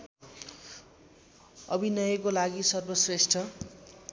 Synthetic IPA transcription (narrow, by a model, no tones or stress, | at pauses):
ʌbʱinʌjʌkolaɡisʌrbʌsresʈʰʌ